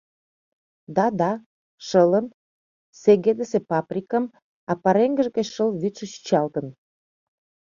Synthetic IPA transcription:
d̪ɑd̪ɑ | ʃələm | seɣed̪əsepɑprʲikəm | ɑpɑɾeŋɡəʒɡət͡ɕʃəlβyt̪ʃəɕy̥t͡ɕɑlt̪ə̆n

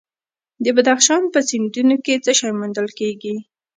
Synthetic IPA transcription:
d̪əbad̪axʃɑnpəsɪnd̪unoket͡səʃɑjmʊnd̪əlkeɡi

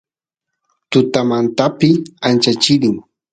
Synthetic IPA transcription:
t̪ʊt̪amant̪apɪant͡ʃat͡ʃɪɾɪŋ

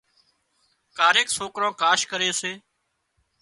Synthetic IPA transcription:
kaːɾeːksoːkɾõːkaːʃkəɾeːseː

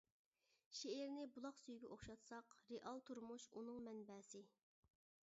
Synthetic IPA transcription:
ʃeɪɾnɪbulˠɑqsyjɡʲɛʔoχʃɑt̪sɑqɾeʔɑlˠt̪ʰuɾmuʃunɨŋmɛnbɛːsɪ

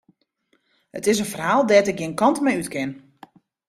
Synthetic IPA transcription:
hətɪs̬ənfərɦaːlˠdɛtɪk̚ɡiənkɑntmɛjytkɪn

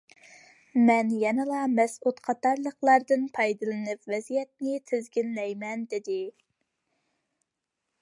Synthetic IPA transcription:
mɛnjɛnɨlˠɑmɛsut̪qʰɑt̪ɑɾlˠəqlˠɑɾd̪ɨnpʰɑjd̪ɨlˠɨnɨpvɛzijɛt̪̚nɪt̪ʰɪzɡʲinlɛjmɛnd̪ɪd̪ɪ

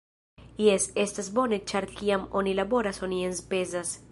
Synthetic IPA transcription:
jesestasbo̞net͡ʃaɾkiamo̞nilabo̞ɾaso̞nienspezas

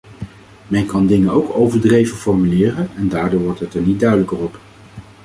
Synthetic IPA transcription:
mɛnkɑndɪŋənowkowvəɹdrejvənfɔɹmylɪːrənɛndaːɹdʊːɹʋɔɹtɦətɛɹnit̚dœɥdələkərɔp

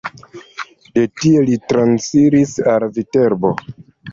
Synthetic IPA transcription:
de̞tielitɾansiɾisalvite̞ɾbo̞

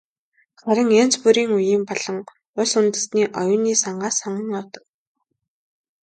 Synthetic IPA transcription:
χaɾə̆ŋen̥t͡spuɾiːŋujiːmpɔɮɞ̆ŋ | ʊsʊnt̪ə̆sniːʔɔjʊːniːsaɴɢaːsɔɴə̆ŋɔwt̪ɞ̥̆wk

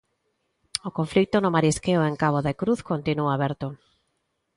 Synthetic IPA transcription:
okõɱflik̚t̪onʊmaɾiskeoeŋkaβ̞oðekɾuθkont̪inuaaβɛɾt̪o

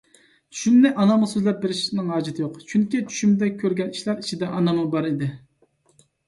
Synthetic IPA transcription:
ʃund̪ɛʔɑnɑmʁsøzlɛp̚beɾɪʃnɪŋɦɑːd͡ʒit̪ʰɪjoqt͡ʃʰyŋkʲit͡ʃʰy̥ʃymd̪ɛkʲʰøɾɡʲɛniʃlæɾit͡ʃʰid̪ɛʔɑnɑmʊbɑɾid̪ɪ

